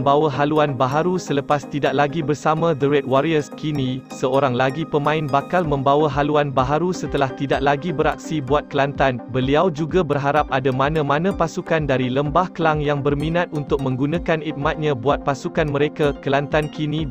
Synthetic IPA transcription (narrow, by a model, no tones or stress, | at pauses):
mbawaɦaluanbaɦaɾusələpast̪idaʔ̚laɡibərsamãdəɾɛt̪̚waɾiəskinĩsəoɾaŋlaɡipəmãɪnbakalmə̃mbawaɦaluanbaɦaɾusət̪əlaht̪idaʔ̚laɡibəɾak̚sibuat̪̚kəlant̪anbəliawd͡ʒuɡabərɦaɾap̚ʔadamãnãmãnãpasukandaɾiləmbahkəlaŋjaŋbərmĩnãt̪̚unt̪ʊk̚mə̃ŋɡunãkanit̪̚mat̪̚ɲãbuat̪̚pasukanmə̃ɾekakəlant̪ankinĩ